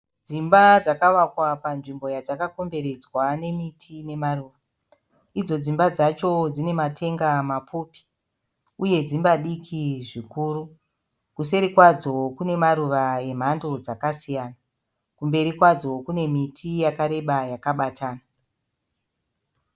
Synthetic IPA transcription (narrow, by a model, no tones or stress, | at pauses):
d͡zimbad͡zakaʋakwapanʐimbo̞jad͡zakako̞mbe̞ɾe̞d͡zwane̞mitʰine̞maruːʋa | id͡zo̞d͡zimbad͡zat͡ʃo̞d͡zine̞matʰe̞ŋɡamapupi̥ | uje̞d͡zimbaɗikʰiʐikuːɾu | kuse̞ɾikwad͡zo̞kune̞maɾuʋae̞m̤ando̞d͡zakasijaːna | kumbe̞ɾikwad͡zo̞kune̞mitʰijakaɾe̞ɓajakaɓatʰaːna